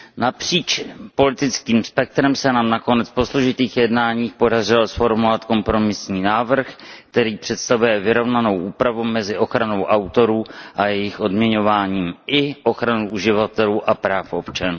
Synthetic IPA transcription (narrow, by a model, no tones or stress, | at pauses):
napr̝̥iːt͡ʃpo̞lɪt̪ɪt͡skiːmspɛk̚t̪ɾɛmsɛnaːmnako̞nɛt͡spo̞sloʒɪt̪iːxjɛdnaːɲiːxpo̞darɪlosfo̞ɾmovat̪ko̞mpɾo̞mɪsɲiːnaːvr̩xkt̪ɛɾiːpr̝̥ɛt̪st̪avujɛvɪɾo̞vnano̞wʔuːpɾavumɛzɪʔo̞xɾano̞wʔawt̪o̞ɾuːʔajɛjɪxʔo̞dmɲɛɲo̞vaːɲiːmɪʔo̞xɾanuʔuʒɪvat̪ɛluːʔapɾaːfʔo̞pt͡ʃanuː